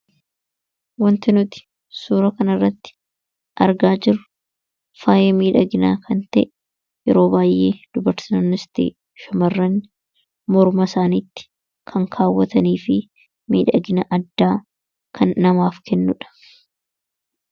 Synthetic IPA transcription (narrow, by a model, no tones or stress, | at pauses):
wɐnt̪ɪnʊt̪ɪ̥ | suːɾɐkɐnɐrːɐt̪ːɪ̥ | ʔɐɾɡaːd͡ʒɪɾʊ | faːjɛmiːᶑɐɡɪnaːkʰɐnt̪ɐ̰ʔɛ | jɛɾo̞ːbaːjʔːeːd̪̥ʊbɐɾsnɪst̪ḭː | ʃʊmɐrːɐn | mɔɾmɐsaːniːt̪ːɪ̥ | kʰɐŋkʰaːwːɐt̪ɐniːfɪ | mḭːᶑɐɡɪnɐʔɐd̪ːaː | kʰɐnːɐmaːfkʰɛnːʊᶑɐ̥